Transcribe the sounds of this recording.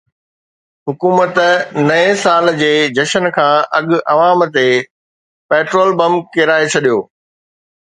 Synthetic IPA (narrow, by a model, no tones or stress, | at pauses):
ɦʊkuːmət̪nɐẽsaːld͡ʑeːd͡ʑɐʃənkʰãːʔɐɠʊʔɐʋaːmt̪e | pɛːʈɾoːlbɐ̃mkeɾaːet͡ɕʰɐɗijoː